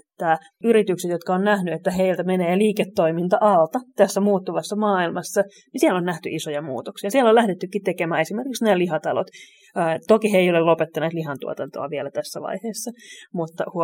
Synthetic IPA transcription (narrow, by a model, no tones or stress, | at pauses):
t̪ːæː | yɾit̪ykset̪jot̪kɑonnæhnyet̪ːæɦeilt̪æmeneːliːket̪ːoimint̪ɑʔɑlt̪ɑt̪æsːæmuːt̪ːuʋɑsːɑmɑːilmɑsːɑ | nisiɛlonnæht̪y̰ʔisojɑmṵːt̪oksiɑsielːolæhdet̪ːykːit̪t̪ekemæːesimerkiksneːliɦɑt̪ɑlo̰t̪ː | t̪okiɦeijolelopet̪ːɑneːt̪liɦɑnt̪ṵo̰t̪ɑnt̪o̰ɑ̰ʋielæt̪æsːæʋɑ̰iheːsːɑmut̪ːɑ̰hu